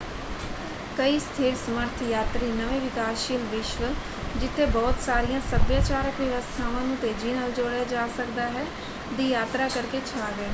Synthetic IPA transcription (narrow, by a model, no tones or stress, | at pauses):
kəiːst̪ʰeːɾsəməɾt̪ʰjaːt̪ɾiːnəʋẽːʋɪkaːsʃiːlʋɪʃʋə | d͡ʒɪt̪ʰːeːbɔːt̪saːɾijãːsəbjaːt͡ʃaːɾəkʋjəʋəst̪ʰaːʋãːnũːt̪eːd͡ʒiːnaːld͡ʒoːɽejaːd͡ʒaːsəkd̪aːɦɛː | d̪iːjaːt̪ɾaːkəɾket͡ʃʰaːɡɛː